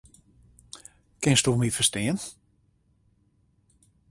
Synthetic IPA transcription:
kɪnstumifəstɪːən

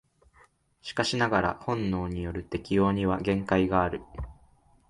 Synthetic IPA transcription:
ɕi̥kaɕinaɡaɾa̰hõ̞nːo̞ːɲ̟ijo̞ɾɯ̟t̪e̞kʲio̞ːɲ̟iβaɡẽ̞ŋkaiɡaːɾɯ̟

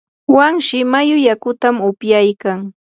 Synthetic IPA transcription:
waŋʃɪmajʊjakʊt̪amʊpjajkaŋ

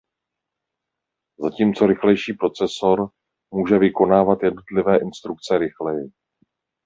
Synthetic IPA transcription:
zaciːmt͡so̞ɾɪxlɛjʃiːpɾo̞t͡sɛso̞ɾ | muːʒɛvɪko̞naːvat̪jɛdno̞t̪lɪvɛːʔɪnst̪ɾuk̚t͡sɛɾɪxlɛjɪ

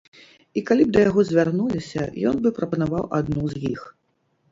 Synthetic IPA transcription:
ikalʲib̚d̪ɐjaɣɔzʲvʲarnulʲisʲɐ̰jɔ̰nbɨpɾɐpɐnavawʔad̪nuzʲjix

